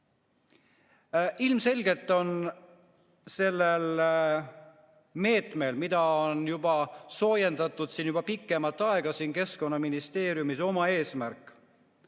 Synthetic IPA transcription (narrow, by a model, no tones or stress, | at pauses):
ilmse̞lʲɡe̞t̪ːˑo̞n | se̞lːel | me̞ːt̪me̞lmid̪̥ɑonjub̥ɑso̞ːje̞nd̪ɑt̪ːˑud̪̥siːnjub̥ɑpikːˑe̞mɑt̪ːˑɑe̞ɡ̥ɑsiːnke̞sko̞nːɑminist̪e̞ːɾjumiso̞mɑe̞ːsmæɾkːˑ